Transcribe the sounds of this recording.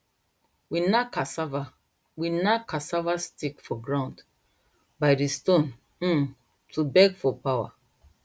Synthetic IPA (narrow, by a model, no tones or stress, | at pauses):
winakasava | winakasavastikfɔɡɹãʊ̃nd | baɪdistõn | m̩ | tubɛɡfɔpawa̰